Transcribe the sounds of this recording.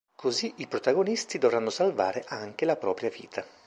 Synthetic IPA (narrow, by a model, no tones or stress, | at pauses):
kʰoziʔipɾot̪aɡonist̪id̪ovranːosalva̰ːɾeʔaŋk̟elapɾɔːpɾjavḭːt̪ʰa